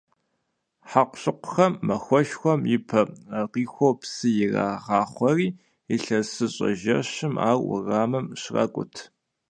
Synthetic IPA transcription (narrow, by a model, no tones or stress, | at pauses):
ħaqʷɕʼɨqʷʊ̥xɐmːɐxʷɔʃxʷɔmjɪpʰɐqiːxʷowpsɨjɪra̰ːʁɑːχʷɔriː | ɪɬɐsɨɕʼɐ̰ʒɐ̰ɕɪma̰ːrwʊ̰raːmɨmɕra̰kʷʼʊ̰tʰ